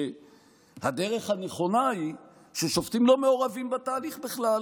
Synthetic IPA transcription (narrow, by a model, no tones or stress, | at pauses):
had̪e̞ʁe̞χhaneχo̞nahi | ʃeʃo̞ft̪imlo̞meo̞ʁavimbat̪aːliχbeχlal